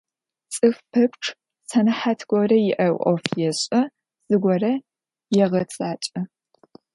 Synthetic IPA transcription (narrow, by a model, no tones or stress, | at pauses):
t͡sʼɨfpʰɐpʷʈ͡ʂʰʼ | sɐnɐħatʰɡʷɔɾɐjɪʔɐwʔɔ̰fjɛɕʼɐ | z̥ɨɡʷɔrɐ | jɛʁɐtzaːt͡ʃʼɐ